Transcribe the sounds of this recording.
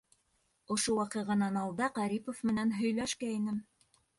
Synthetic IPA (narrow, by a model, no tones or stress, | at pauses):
ŏʃowɑqɤʁɑnɑnɑlˠd̪ɑqɑɾipofmɘ̆nænɦɵ̆jlæʃkæinɘm